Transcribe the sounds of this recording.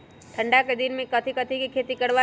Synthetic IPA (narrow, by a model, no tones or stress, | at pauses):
ʈ̪ʰə̃ɳɖaked̪ɪnmẽkɐt̪ʰikət̪ʰikikʰeːt̪ikəɽʋa